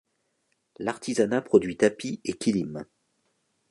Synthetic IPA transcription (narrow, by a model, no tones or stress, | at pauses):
laʁt̪ʰizanapχɔd̪ɥit̪apiekʲilim